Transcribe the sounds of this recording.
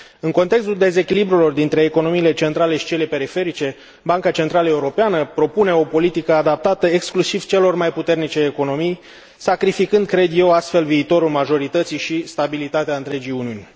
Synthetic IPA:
ɨŋko̞nt̪e̞ks̬t̪uld̪e̞ze̞kʲilibɾulo̞rd̪int̪ɾe̞ːko̞no̞miːle̞t͡ʃe̞nt̪ɾale̞ʃi̥t͡ʃe̞le̞pe̞ɾife̞ɾit͡ʃe̞ | baŋkat͡ʃe̞nt̪ɾaləe̞uɾo̞peanəpɾo̞pune̞o̞po̞lit̪ikəad̪ap̚t̪at̪əe̞ksklusiv̥t͡ʃe̞lo̞rmajput̪e̞rnit͡ʃe̞ːko̞no̞mij | sakɾifikɨnd̪̚kɾe̞d̪jewast̪fe̞lviːt̪o̞ɾulmaʒo̞ɾit̪ət̪siʃist̪abilit̪at̪eaɨnt̪ɾe̞d͡ʒijuniunʲ

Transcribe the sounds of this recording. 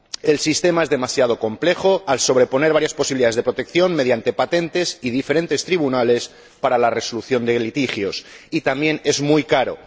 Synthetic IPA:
e̞lsist̪e̞mae̞zðe̞masjað̞o̞ko̞mple̞xo̞also̞β̞ɾe̞po̞ne̞ɾβaɾjaspo̞siβiliðaðezðepɾo̞t̪e̞kθjo̞nme̞ð̞jant̪e̞pat̪e̞nt̪e̞siðife̞ɾe̞nt̪e̞st̪ɾiβunale̞s | paɾalare̞so̞luθjo̞nd̪e̞lit̪ixjo̞s | it̪ambje̞ne̞zmujkaɾo̞̰

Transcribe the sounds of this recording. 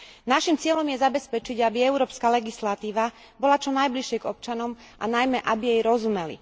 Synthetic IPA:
naʃimt͡sɪɛlɔmjɛzabɛspɛt͡ʃiɟabiɛʊɾɔːpskaːlɛɡislat̪iːʋa | bɔlat͡ʃɔnajbliʃjɛɡɔp̚t͡ʃanɔm | ʔanajmɛʔabijɛjɾɔzumɛlḭ

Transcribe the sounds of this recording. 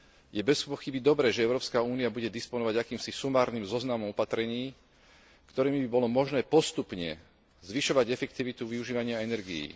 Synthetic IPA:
jɛbɛspɔxibid̪ɔbɾɛːʒɛɛʊɾɔːpskauːniabuɟɛd̪ispɔnɔʋaɟakiːmsisumaːɾniːmzɔznamɔmɔpat̪ɾɛɲiː | kt̪ɔɾiːmibibɔlɔmɔʒnɛːpɔst̪upɲɛ̰ | zʋiʃɔʋaɟɛfɛk̚t̪iʋit̪uʋiuʒiːʋaɲɪaɛnɛɾɡḭjḭː

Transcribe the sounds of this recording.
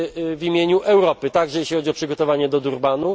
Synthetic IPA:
vʲimʲjeɲuʔɛwɾɔpɘt̪aɡʐɛjeɕlʲixɔd͡ʑiɔpʂɘɡɔt̪ɔvaɲɛd̪ɔd̪uɾbanu

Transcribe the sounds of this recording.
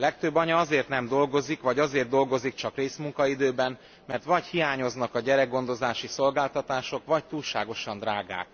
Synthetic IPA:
lɛk̚t̪øbːɒɲɒɒzeːrt̪nɛmd̪o̞lɡo̞zikʋɒɟɒzeːrtd̪o̞lɡo̞zik̚t͡ʃɒkreːsmuŋkɒid̪øːbɛn | mɛrt̪ʋɒchijaːɲo̞znɒkɒɟɛɾɛɡɡo̞nd̪o̞zaːʃiso̞lɡaːlt̪ɒt̪aːʃo̞kʋɒct̪uːlʃa̰ːɡo̞ʃɒnd̪raːɡa̰ːk

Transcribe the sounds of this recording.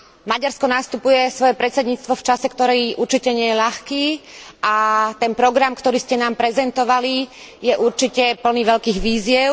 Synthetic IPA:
maɟaɾskɔnast̪upujɛsʋɔjɛpɾɛt͡sɛd̪ɲiːt͡st̪ʋɔft͡ʃasɛkt̪ɔɾɛjʔuɾt͡ʃicɛɲɪɛjɛʎaxkiːʔat̪ɛnpɾɔɡɾamkt̪ɔɾiːscɛnaːmpɾɛzɛnt̪ɔʋali | jɛʔuɾt͡ʃicɛpl̩niʋɛʎkiːɣʋiːzɪjɛʊ

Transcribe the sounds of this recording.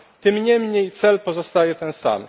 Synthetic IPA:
t̪ɘmɲɛmɲejt̪sɛlpɔzɔst̪ajɛt̪ɛnsa̰m

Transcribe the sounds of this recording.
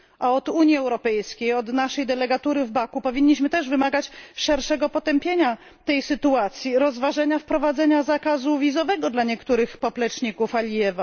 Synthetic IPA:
ʔaɔd̪uɲjiɛwɾɔpɛjskʲejɔd̪naʂɛjd̪ɛlɛɡat̪uɾɘvbakupɔvʲiɲːiɕmɘt̪ɛʐvɘmaɡat͡ɕʂɛɾʂɛɡɔpɔt̪ɛmpʲjeɲa | t̪ɛjsɘt̪uat̪sʲjiɾɔzvaʐɛɲafpɾɔvad̪zɛɲazakazuvʲizɔvɛɡɔd̪laɲɛkt̪uɾɘxpɔplɛt͡ʂɲikufalʲijɛva

